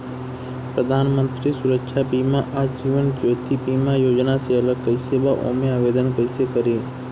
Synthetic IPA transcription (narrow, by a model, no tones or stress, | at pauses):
pɾəd̪ʱaːnmə̃nt̪ɾisʊɾəkʃʰapiːmaʔad͡ʒiːʋənd͡ʒoːt̪ibiːmajoːd͡ʒnaseɐləɡ̚kəɪseːbaʔo̰ːmẽaːʋeːd̪ənkəɪsekəɾeː